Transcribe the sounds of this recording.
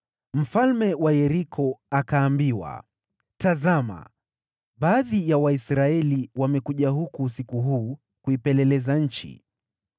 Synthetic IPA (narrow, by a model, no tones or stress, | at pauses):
m̩falmɛwajɛɾikʰɔakaːmbiwa̰ | tazama̰ | ɓaːðijawaisɾaɛliwamɛkuʄaɦukusikuɦuː | kuipɛlɛlɛzaɲ̩t͡ʃḭ